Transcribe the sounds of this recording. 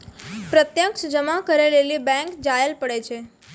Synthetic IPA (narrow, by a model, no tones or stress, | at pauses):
pɾət̪jəkʃd͡ʒəmakəɾelelibɛ̃ŋkd͡ʒaɦelpəɽet͡ʃʰe